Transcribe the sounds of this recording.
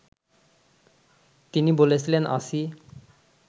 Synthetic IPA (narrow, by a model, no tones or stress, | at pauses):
t̪inibolet͡ɕʰilenʔa̰si